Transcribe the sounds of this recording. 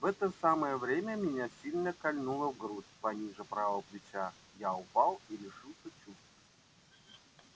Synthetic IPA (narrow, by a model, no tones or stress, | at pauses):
vɛt̪əsaməjəvɾʲemʲəmʲɪnʲasʲilʲnəkɐlʲnulˠəvɡɾusʲpɐnʲiʐɨpɾavəplʲɪt͡ɕa | jaʊpalˠilʲɪʂɨlˠsʲət͡ɕust̪və